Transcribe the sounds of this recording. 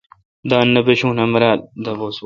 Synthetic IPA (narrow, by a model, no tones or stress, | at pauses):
d̪aːnːɐpeɕũːnɐmɐɾaːld̪ɐboːs